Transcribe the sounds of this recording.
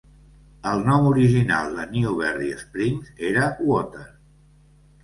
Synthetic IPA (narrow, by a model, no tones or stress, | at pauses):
əlˠnɔmuɾiʒina̰lˠd̪əniuβ̞ɛɾðiəspɾiŋzeɾəwɔt̪ən